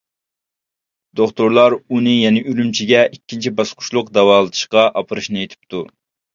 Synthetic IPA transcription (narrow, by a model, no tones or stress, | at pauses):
d̪oχt̪oɾlˠɑɾunɨjɛnɪʔylymt͡ʃʰiɡʲɛʔikʲːint͡ʃʰibɑsqʰʊ̥ʃlˠʊqd̪ɛwɑːlˠɨd̪ʰɨ̥ʃqɑʔɑpʰɨɾɨʃnɨet̪ʰɪ̥p̚t̪ʰu